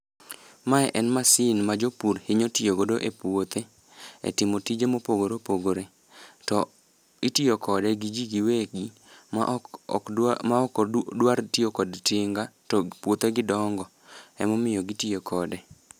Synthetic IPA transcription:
maɛʔɛnmasɪnmad͡ʒopuɾhɪɲotijoɡodoʔepwot̪ʰe | ḛtɪmotid͡ʒemopoɡoɾopoɡoɾe | tɔ | itiokʰɔdɛɡid͡ʒiɡiweɡi | madwartiokɔdteŋɡatɔpwot̪eɡɪdɔŋɡɔ | ɛmɔmɪjɔɡitiokʰɔdɛ

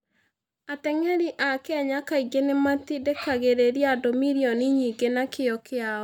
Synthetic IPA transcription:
atɛŋɛɾiʔakɛɛɲakaiɡenemat̪idekaɣeɾeɾiadomiɾiɔniɲiːɡenakeɔkeaɔ

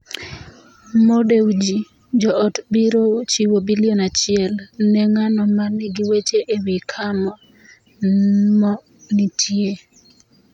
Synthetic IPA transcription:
modewd͡ʒi | d͡ʒɔɔtbiɾot͡ʃiwobilionat͡ʃɪɛlnɛŋanɔmanɪɡiwet͡ʃeʔewikʰamɔ | mɔ | nitʰje

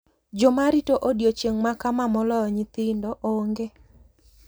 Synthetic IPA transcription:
d͡ʒɔmaɾitoʔodjot͡ʃeŋmakamamɔlɔɔɲɪt̪ɪndɔʔoŋɡe

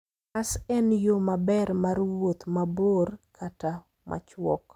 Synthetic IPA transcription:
asɛnjomabɛrmarwot̪maborkʰata | mʔa̰t͡ʃwɔ̰k

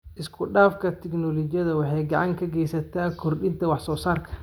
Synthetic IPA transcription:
ʔɪskʰʊɗaːfkʰɐt̪ʰɛknɔlɔt͡ʃɪjɐðɐwɑħɑjɡɑʕɑŋkʰɐɡɛjsɐt̪ʰaːkʰɔrɗɪnt̪ʰɐwɑħsɔːsaːrkʰɐ̥

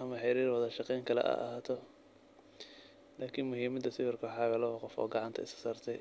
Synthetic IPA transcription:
ɐmɐħɪɾiːrwɑðɐʃɑqɛjŋkʰɐlɛ̰ʔa̰ːʔɐ̰ɦaːt̪ʰɔ | laːkʰinmʊɦiːmɐd̪ɐsɪβɪrkʰɐħɑɣɐlɐɔqɔfɔ̰ːɡɑʕɑnt̪ʰɐ̰ɪssaːrt̪ʰɛj

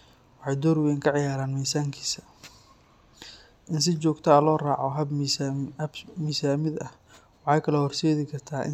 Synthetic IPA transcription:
wɑħɑjd̪ɔɾwɛːŋkʰɐʕɪjaːɾaːnmiːsaːŋkʰi̥ːsɐ̥ | ʔɪns̬ɪt͡ʃɔːɡt̪ʰɐɐlɔːraːʕɔɦɐb | ɐbmiːsaːmɪd̪ɐh | wɑħɑjkʰɐlɔhɔrsɛːðɪkʰɐrt̪ʰaːʔɪ̰

